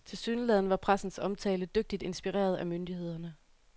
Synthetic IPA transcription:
t͡sʰe̝lsyːnəlɛðˠn̩ʋɑ̈pʰʁasn̩sɒ̽mt͡sʰɛːləd̥øɡ̥̚d̥id̥e̝nsb̥iʁḛːɐð̞ˠæmønd̥ihe̝ð̞̰ˠɐnə

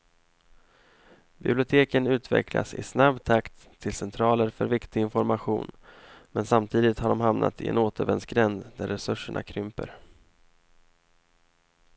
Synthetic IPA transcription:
bɪblɪʊt̪ʰeːkənʉ̟ːt̪ʰvɛ̰kʰla̰sɪ̰snabt̪ʰakt̪ʰːɪlsɛnt̪ʰɾɑːləɾfœɾvɪkt̪ɪɡɪnfɔɾmaɧṵːnmɛnsamt̪ʰiːd̪ɪt̪haɖɔmɦamnʔa̰t̪ɪɛ̰noːt̪əɾvɛnsɡɾɛnd̪d̪æɾːɛsɵʂəɳʔa̰kʰɾʏmpə̰ɾ

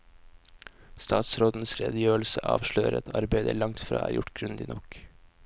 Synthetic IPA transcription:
st̪ɑːt̪sɾoːd̪n̩əsɾḛːd̪əjøːl̩səʔɑ̰ːʋʃløːəɾɛ̰t̪ʰɑɾbæɪd̪əæːɭɑŋt̪fɾɑ̰ːæ̰ːɾjʊʈɡɾʉnd̪iːnɔk

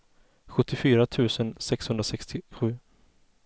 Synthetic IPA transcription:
ɧɵt̪ʰːɪfyːɾat̪ʰʉ̟ːsənsɛkshɵnd̪ɾasɛkst̪ɪɧʉ̟ː

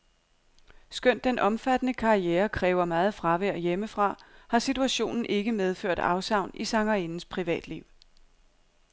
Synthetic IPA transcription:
sɡ̥øn̰d̥enʔɒ̽mfæd̥ənəkʰɑ̈ieːɐkʰʁɛːʊɐmɑːð̞̩ˠfʁɑ̈ʋeɐ̰jeməfʁɑ̈hɑ̈sit͡sʰuæɕo̝̰ːnn̩ʔe̝ɡ̥əmeð̞ˠfø̰ɐ̰d̥ɑ̈ʊsɑ̈ʊ̰nisɑ̈ŋɐenn̩spʰʁiʋɛ̰ːd̥liʊ̰

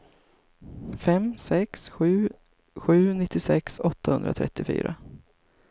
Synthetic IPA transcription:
fɛmsɛksɧʉ̟ː | ɧʉ̟ːnɪt̪ːɪsɛksɔt̪ːahɵnd̪ɾat̪ʰɾɛ̰t̪ːɪfy̰ːɾa

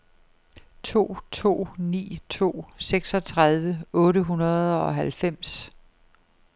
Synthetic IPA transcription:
t͡sʰo̝̰ːt͡sʰo̝̰ːnḭːt͡sʰo̝̰ːseɡ̥sɒ̽t͡sʰʁað̞ˠʋəɔ̽ːɾəɦunɐð̞̩ˠɒ̽ɦælfem̰s

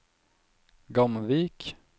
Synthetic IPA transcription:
ɡɑmʋiːk

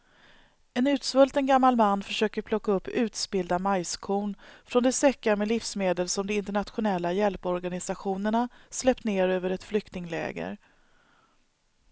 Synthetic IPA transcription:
ɛnʉ̟ːt̪svɵlt̪ənɡamːalmanːfœʂøːkəɾpʰlɔkːaɵpːʉ̟ːt̪sbɪld̪amajskʰuːnfɾɔnd̪ɛsɛkːaɾmɛlɪfsmeːd̪əlsɔmd̪ɔɪnt̪əɳat̪ɧʊnɛlːajɛlpɔɾɡanɪsaɧuːnəɳaslɛp̚t̪neːɾøːvəɾɛt̪flʏkt̪ɪŋlɛ̰ːɡə̰ɾ

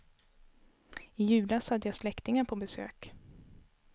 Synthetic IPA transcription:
ɪjʉ̟ːlashad̪ːəjaslɛkt̪ɪŋaɾpʰɔbɛsø̰ːk

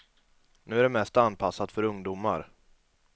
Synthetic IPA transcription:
nʉ̟ːæɖɛmɛst̪anːpʰasːat̪fœɾɵŋd̪uːma̰ɾ

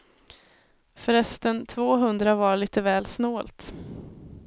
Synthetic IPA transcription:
fœɾɛst̪ənt̪ʰvoːɦɵnd̪ɾavaɭiːt̪əvɛːlsnoːlt̪

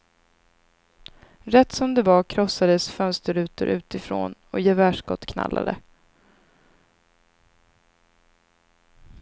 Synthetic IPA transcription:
ɾɛt̪ːsɔmd̪ɛvakʰɾɔsːad̪əsfœnst̪əɾʉ̟ːt̪əɾʔʉ̟ːt̪ɪfɾo̰ːnɔjɛvæːʂkɔt̪ːkʰna̰lːʔa̰d̪ə̰

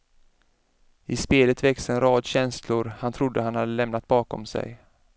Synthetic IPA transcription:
ɪspeːlət̪vɛksɛnɾɑːd̪ɕɛnslʊɾhant̪ʰɾʊd̪ːəɦanhad̪ːəlɛmnat̪̚bɑːkɔ̰msɛ̰j

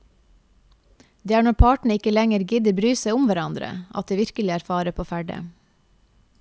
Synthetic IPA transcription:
d̪eːæːɳɔɾpʰɑːʈɳ̩əɪkəlɛŋəɾɡɪd̪əbɾyːsæɪʊmʋæɾɑnd̪ɾə̰ʔɑ̰t̪̚d̪eːʋɪɾkəlɪæɾfɑːɾəpʰoːfæɖə̰

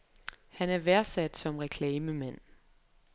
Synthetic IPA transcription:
hænæɐʋæɐsæd̥sɒ̽mʁɛkʰlɛːməmen̰

